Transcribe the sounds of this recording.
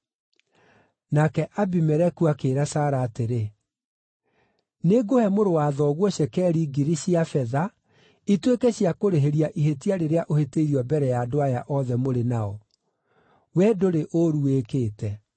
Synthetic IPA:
nakɛʔabimɛɾɛkuakeːɾasaːɾaːteɾe | neɡohɛmoɾowaːðɔɣwɔɕɛkɛːɾiɡiɾiɕiafɛða | itwekɛɕiakoɾeɦeɾiaʔiɦetiaɾeɾeaʔoheteiɾiɔbɛɾɛjadoajaʔɔðɛmoɾenaɔ | wɛdoɾeʔoɾuekeːtɛ

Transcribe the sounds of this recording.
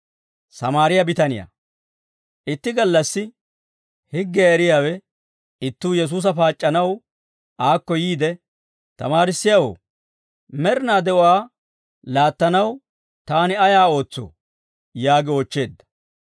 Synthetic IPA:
sɐmaːɾɪjɐbɪt̪ɐnɪja̰ | ʔɪt̪ːɪɡɐlːɐsːɪ | hɪɡːɛɛɾɪjaːwɛ | ɪt̪ːuːjɛs̬uːs̬ɐfaːt͡ʃʼːɐnɐw | ʔaːkːɔjiːd̪ɛ | t̪ɐ̰maːɾɪsːɪjɐwo̰ː | mɛɾɪnaːd̪ɛʔʊwaː | laːt̪ːɐnɐw | t̪aːnɪɐjaːo̞ːt͡sːo̰ː | jaːɡɪoːt͡ʃːe̞ːd̪ːɐ̥

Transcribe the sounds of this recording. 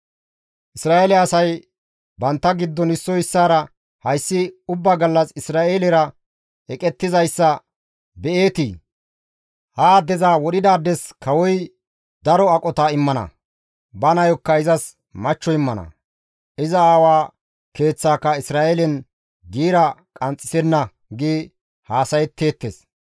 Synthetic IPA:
ʔɪsɾaːʔelɛɐsɐj | bɐnt̪ːɐɡɪd̪ːɔnɪsːɔjɪsːaːɾɐ | hɐjsːɪʊbːaɡɐlːɐsɪsɾaːʔeːlɪɾɐ | ɛkʼɛt̪ːɪzɐjsːɐ | bɛʔe̞ːt̪i | haːd̪ɛzaːwɔɗɪd̪aːd̪ɛskɐwɔj | d̪ɐɾɔɐkʼɔt̪aɪmːɐnɐ̰ | bɐnɐjɔkːɐɪzɐs | mɐt͡ʃːɔɪmːɐnɐ̰ | ɪzɐaːwaː | ke̞ːt͡sːaːkːɐɪsɾaːʔeːlɛn | ɡiːɾɐkʼɐnt͡sʼːɪ̥sɛnːɐ | ɡɪ | haːsɐjɛt̪ːe̞ːt̪ːes

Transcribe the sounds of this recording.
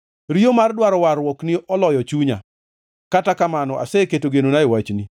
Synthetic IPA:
ɾijomardwaɾɔwaɾwɔknɪʔɔlɔjɔt͡ʃuɲa̰ | katakamanɔʔa̰sɛketoɡenonaɪwat͡ʃni

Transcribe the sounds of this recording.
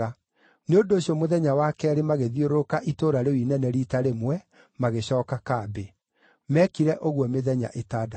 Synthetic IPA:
a | neondoːɕjɔmoðɛɲawaːkɛɾemaɣeðioɾokaʔitoɾaɾewinɛnɛɾitaɾemwɛ | maɣeɕɔːkakabe | mɛkiɾɛʔoɣwɔmeðɛɲa̰ʔetaːda

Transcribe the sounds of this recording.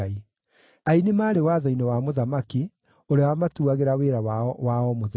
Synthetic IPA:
i | ainemaːɾewaðɔinewamoðamaki | oɾeawamatuaɣeɾaweɾawaɔmoðe

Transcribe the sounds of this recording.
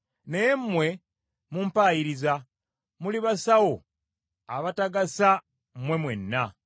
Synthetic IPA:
nejemːwe̞ | mumpaːjiɾiza | muliβasawo̞ | aβataɡasa | m̩mwe̞mwe̞nːa

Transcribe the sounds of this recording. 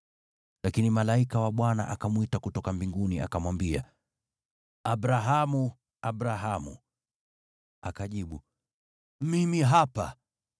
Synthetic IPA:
lakinimalaikawaɓwana̰ʔakamwitakutɔkambiŋɡunia̰kamwambia | aɓɾaɦamu | aɓɾaɦamṵ | akaʄiɓu | mimiɦapa̰

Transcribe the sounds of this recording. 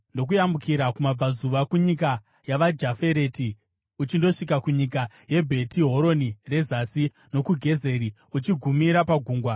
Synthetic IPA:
ndo̞k̬ujamukiɾakumab͡vazuʋakuɲika | jaʋad͡ʒafe̞ɾe̞ti | ut͡ʃindo̞ʂikakuɲik̬a | je̞bʱe̞tʰiɦo̞ɾo̞nire̞zasi | no̞kuɡʱe̞ze̞ɾi | ut͡ʃiɡʱumiɾapaɡʱuːŋɡwa

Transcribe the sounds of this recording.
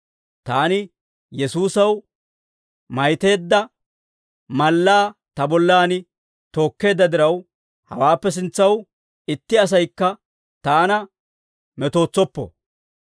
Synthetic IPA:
t̪aːnɪ | jɛsuːsɐw | mɐjt̪e̞ːd̪ːɐ | mɐlːaːt̪ɐbɔlːaːnɪ | t̪o̞ːkːe̞ːd̪ːɐd̪ɪɾɐw | hɐ̰waːpːɛs̬ɪnt͡sːɐw | ɪt̪ːɪɐs̬ɐjkːɐ | t̪aːnɐ | mɛt̪o̞ːt͡sːɔpːɔ̰

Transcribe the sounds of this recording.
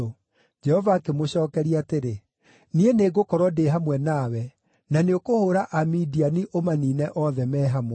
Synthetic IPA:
o | d͡ʒɛhɔvaːkemoɕɔːkɛɾiateɾe | nieneɡokɔɾwɔdeɦamwɛnawɛ | naneokohoːɾaʔamidianiʔomaniːnɛʔɔðɛmɛːɦamwɛ

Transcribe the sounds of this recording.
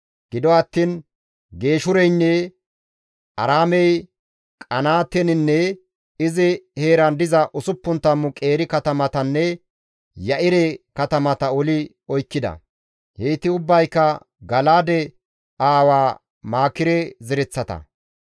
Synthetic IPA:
ɡ̥ɪd̪ɔɐt̪ːiːn | ɡe̞ːʃʊɾɛjnːɛ | ʔɐ̰ɾaːmɛj | kʼɐnaːt̪ɛnɪnːɛ | ɪzɪheːɾɐnd̪ɪzɐʔʊsʊpːʊnt̪ːɐmːʊkʼe̞ːɾɪkɐt̪ɐmɐt̪ɐnːɛ | jɐʔɪɾɛkɐt̪ɐmɐt̪ɐɔlɪ | ɔjkːɪd̪ɐ̰ | heːt̪ɪʊbːɐjkːɐ | ɡɐlaːd̪ɛ | aːwaː | maːkːɪɾɛzɛɾɛt͡sːɐt̪ɐ̰

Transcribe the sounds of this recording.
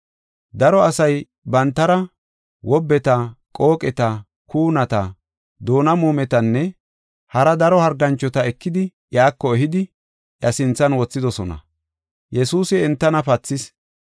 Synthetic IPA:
d̪ɐɾɔɐsɐj | bɐnt̪ːɐɾɐ | wɔbːɛt̪ɐkʼo̞ːkʼɛt̪ɐ | kuːnɐt̪ɐ | d̪o̞ːnɐmuːmɛt̪ɐnːɛ | hɐɾɐd̪ɐɾɔhɐɾɡɐnt͡ʃːɔt̪ɐɛkːɪd̪ɪ | jaːkːɔɛɦɪd̪ɪ | ʔjɐsɪnt͡sːɐnwɔt͡sːɪd̪ɔsɔnɐ̰ | jɛsuːsɪɛnt̪ːɐnɐpɐt͡sːɪs

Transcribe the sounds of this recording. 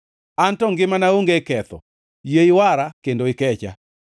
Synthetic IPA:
antɔŋɡɪmanaoŋɡekɛt̪ɔ̰ | jeiwaɾakendoɪkɛt͡ʃa̰

